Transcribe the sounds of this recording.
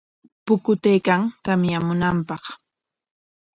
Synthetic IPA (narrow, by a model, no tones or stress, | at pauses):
pʊkʊt̪ejkaŋt̪amjamʊnampɑχ